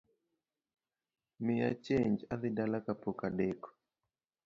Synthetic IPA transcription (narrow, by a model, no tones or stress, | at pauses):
mɪja̰t͡ʃeɲd͡ʒaðɪdalakapokadɛkɔ̥